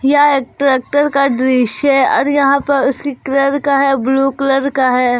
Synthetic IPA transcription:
jaeːk̚ʈɾeːk̚ʈəɾkad̪ɾiːʃɦɛɔ̰ːɾjɐɦãpɐɾʊskikləɾkaɦɛːbluːkləɾkaɦɛː

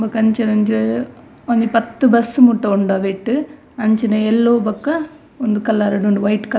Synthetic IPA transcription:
mbɐkɐɲt͡ʃɐɾɐɲd͡ʒɐ | ɐɲd͡ʒɐpɐt̪ːɯbɐsɯmuʈːɐʊɳɖaːʋɪʈːɯ | ɐɲt͡ʃɐnɐɛlːoːbɐkːɐ | ɔnd̪ɯkɐlːaːɾɐɽoɳɖɯʋɐɪʈːkɐ

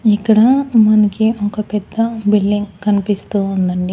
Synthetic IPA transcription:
ikːɐɽɐmɐnɐkiʔɔkɐpɛd̪ːɐbilːiŋɡkɐnipist̪uːund̪ɐɳɖi

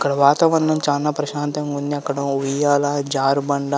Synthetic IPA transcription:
ɐkːɐɽɐʋaːt̪ɐʋɐnːɐmt͡ʃaːnaːpɾɐʃaːnt̪ɐŋɡunːiɐkːɐɽɐujaːlaːd͡ʒaːɾbɐɳɖa

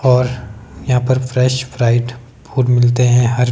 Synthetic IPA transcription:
ɔːɾjɐɦãpɐɾfɾɛːʃpɾaːɪɖ | pʰuːɾmɪlt̪eɦɛ̃ɦɐɾ

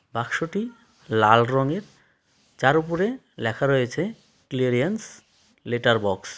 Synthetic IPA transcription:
bakʃoʈi | lalɾɔŋeɾ | t͡ɕaɾupoɾe | lɛkʰaɾojet͡ɕʰe | kleɾijans | leʈaɾbɔks

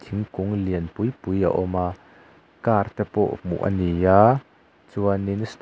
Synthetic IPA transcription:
t̪ʰiŋkuŋliənpujpuja̰ʔɔmaː | kaːrt̪ɛpɔ̰ʔmṵʔɐ̰nijaː | t͡suaninst̪

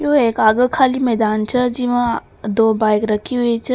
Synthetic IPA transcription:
joeːkaːɡəkʰaːlimɛːd̪aːnt͡ʃʰɐd͡ʒiʋã | d̪oːbaːjkɾɐkʰiɦuit͡ʃʰ

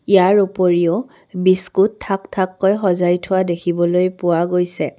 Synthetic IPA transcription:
ijaɹupoɹiɔ | biskutʰːaktʰakːɔjxɔzajtʰʊwadekʰibɔlojpʊwaɡojsɛ

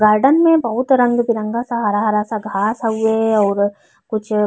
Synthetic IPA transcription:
ɡaːɾɖənmẽbɐɦʊt̪ɾɐ̃ŋɡbɪɾə̃ŋɡasaɦɐɾaɦɐɾasaɡʱaːsəɦueɔːɾ | kʊt͡ʃʰ

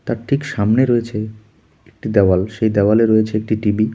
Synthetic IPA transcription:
t̪aɾʈʰikʃamneɾojet͡ɕʰe | ek̚ʈid̪ɛwalʃejd̪ɛwaleɾojet͡ɕʰeek̚ʈiʈibi

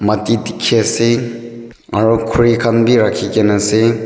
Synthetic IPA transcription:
matitikʰːiase | aɾukʰuɹikʰanbiɾakʰikenase

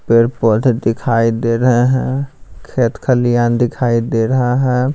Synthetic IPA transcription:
peɾpəʈ̪d̪ɪkʰaːid̪eːɾəɦeɦɛ̃kʰeːt̪kʰəlijãnd̪ɪkʰaːid̪eːɾəɦaɦɛ̃ː

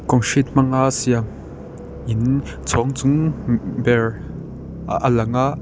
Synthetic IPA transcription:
kɔŋʃit̪̚m̥aŋaʔsia | ʔin | t͡sʰɔŋt͡sʊŋbɛɹ | ʔəlɐŋaʔ

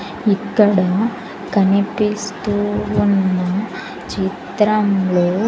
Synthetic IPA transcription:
ikːɐɽɐ | kɐnipist̪uʋunːɐ | t͡ʃit̪ɾɐmlo

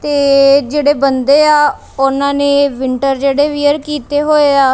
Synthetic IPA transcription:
t̪eːd͡ʒeːɽeːbənd̪eːaː | ʊnãːneːʋɪɳʈəɾd͡ʒeːɽeːʋiːəɾkiːt̪eːɦoːeːaː

